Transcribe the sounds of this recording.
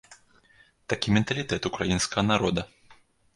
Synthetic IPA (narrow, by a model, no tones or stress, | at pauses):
t̪akʲimʲɛnt̪ɐlʲit̪ɛt̪ukɾajinskɐɣɐnaɾɔd̪ɐ